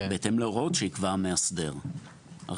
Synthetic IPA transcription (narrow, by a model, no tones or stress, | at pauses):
beet̪emleoʁo̞t̪ʃeikvaʁmeasd̪e̞ʁ | a̰